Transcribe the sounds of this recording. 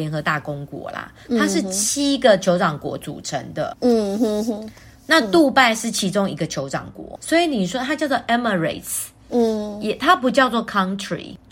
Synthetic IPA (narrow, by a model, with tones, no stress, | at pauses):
jɛ˧˥nxɤ˧˦t̪a˥˩kʊ˦ŋkwɔ̰˧˥lɐ̰˨˩ | t̪ʰa˦ʂɻ̩˥˩t͡ɕʰi˥ɡə˨t͡ɕʰjo˧˥ʊʈ͡ʂɑ˨˩ŋkwɔ̰˧˥t͡sṵ˨˩ʈ͡ʂʰə̰˧˦ŋd̪ə̰˨˥ | na˥˧t̪u˥˧pa˥˧ɪʂɻ̩˥˩t͡ɕʰi˧˥ʈ͡ʂo˦ŋi˧˥ɡə˨t͡ɕʰjo˧˥ʊʈ͡ʂɑ̰˨˩ŋkwɔ̰˧˦swɔ˧˥i˨˦ni˨˩ʂwɔ˥t̪ʰa˥t͡ɕjɑ˥˧ʊt͡s̬wɔ˥˩ʔɛ˥mə˨ɹḛ˨˩ɪt | jɛ˨˩t̪ʰa˦˥pu˨˥t͡ɕjɑ˥˧ʊt͡swɔ˥˩kʰa˥ŋtʰɹḭ˨